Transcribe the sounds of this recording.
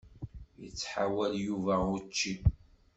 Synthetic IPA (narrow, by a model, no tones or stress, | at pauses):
jət͡sːħawæljuvæʊt͡ʃːi